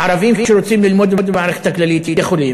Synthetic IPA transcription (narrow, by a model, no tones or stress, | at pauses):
ʕɑɾˤɑviːmiʃeɾot͡siːmlilmod̪bod̪maʕɾext̪ːaklalit̪iexoliː